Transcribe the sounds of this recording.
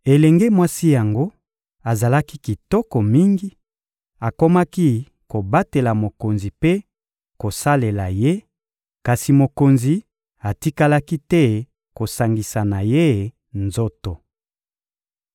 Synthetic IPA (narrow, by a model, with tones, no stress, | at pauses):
e˨lɛ˨ŋɡe˦mwa˦si˦ja˨ŋɡo˦ | a˨za˨la˦ki˦ki˨tɔ˦kɔ˨mi˦ŋɡi˦ | a˨ko˦ma˦ki˦ | ko˨ba˦te˨la˨mo˨ko˨nzi˨pe˦ | ko˨sa˦le˨la˨je˦ | ka˨si˨mo˨ko˨nzi˨ | a˨ti˦ka˦la˦ki˦tɛ˦ | ko˨sa˨ŋɡi˨sa˨na˨je˦ | nzo˦to˨